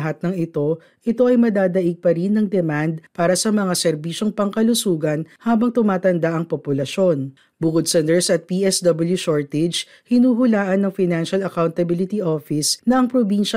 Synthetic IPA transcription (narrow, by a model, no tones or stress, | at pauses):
ɦat̪̚nɐŋɪt̪o̞ | ʔɪt̪o̞ʔɐjmɐd̪aːd̪ɐʔiɡ̚pɐɾinːɐŋd̪ɛmand̪̚paːɾɐsɐmɐŋasɛɾbiːʃoŋpɐŋkɐlʊsuːɡɐnhaːbɐŋt̪ʊmaːt̪ɐnd̪aʔɐŋpopʊlɐʃo̞n | bʊkʊd̪̚sɐnɛɹsɐt̪̚piʔɛsd̪ɐbɐljusoɹt̪ɛd͡ʒ | hɪnuːɦʊlaːʔɐnːɐŋfɪjnanʃɐlɐkawnt̪ɐbilɪt̪iʔofɪsnɐʔɐŋpɾobinʃɐ